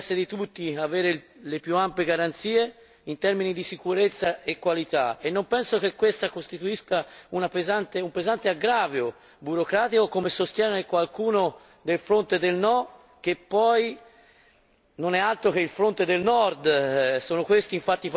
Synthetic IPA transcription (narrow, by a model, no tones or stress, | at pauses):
sːed̪it̪ut̪ːiaveːɾe | lepjuampjeɡaɾant̪siːe | int̪ɛɾminid̪isikuɾet̪sːaekːwalit̪aenːompɛnsok̟ekːwest̪akost̪it̪uiskaunapezant̪eumpezant̪eaɡɾaːvjo | buɾokɾaːt̪ikokomesost̪jɛːnekwalkuːno | d̪elfɾont̪ed̪elnɔ | k̟epːɔj | nonɛalt̪ɾok̟eilfɾont̪ed̪elnɔrd̪soːnokwest̪iːɱfat̪ːip